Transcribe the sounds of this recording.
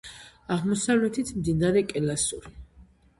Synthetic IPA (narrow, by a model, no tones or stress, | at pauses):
aʁmɔsavlɛt̪ʰit̪ʰmd̪inaɾɛkʼɛlasuɾi